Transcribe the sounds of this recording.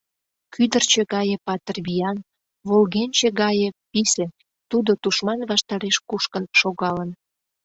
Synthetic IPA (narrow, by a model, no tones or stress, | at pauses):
kyd̪ərt͡ɕĕɣɑjĕpɑt̪ərβijɑn | βolɣenʲt͡ɕeɣɑjepisen | t̪ud̪ot̪uʃmɑnβɑʃt̪ɑɾeʃkuʃkənʃoɣɑlən